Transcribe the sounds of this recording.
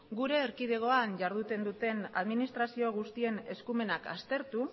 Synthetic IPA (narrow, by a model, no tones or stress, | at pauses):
ɡuɾe̞ːɾkið̞e̞ɣ̞o̞anʝaɾð̞ut̪e̞nd̪ut̪e̞na̰ðminist̪ɾasio̞ɣ̞ust̪ie̞ne̞skume̞naka̰st̪e̞ɾt̪u